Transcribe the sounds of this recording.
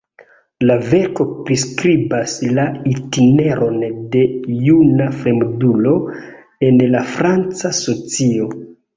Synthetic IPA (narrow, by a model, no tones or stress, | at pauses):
lave̞ɾko̞pɾiskɾibaslaitine̞ɾʔo̞nde̞junafɾe̞mdulo̞ | e̞nlafɾant͡saso̞t͡sio̞